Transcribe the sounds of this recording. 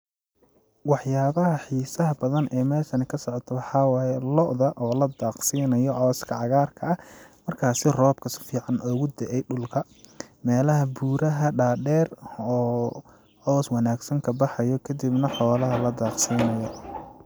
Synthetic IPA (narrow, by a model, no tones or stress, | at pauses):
wɑħjaːβɐɦɐħiːsɐɦɐbɐðɐnʔɛːmɛːʃɐnɐkʰɐsɔʕɔt̪ʰɔwɑħɑːwaːjɛlɔʔðɐʔɔːlɐd̪aːqsiːnɐjɔʕɔːskʰɐʕɑɣaːrkʰɐɐmɐrkʰaːsɪrɔːb̚kʰɐsɪ̥fiːʕɑnʔɔːɣʊd̪ɛʔɛjɖʊlkʰɐ | mɛːlɐɦɐbuːɾɐɦɐɖaːɖɛːrɔː | ʕɔːswɑnaːɡsɐŋkʰɐbɑħɑjɔkʰɐd̪ibnɐħɔːlɐɦɐlɐd̪aːqsiːnɐjɔ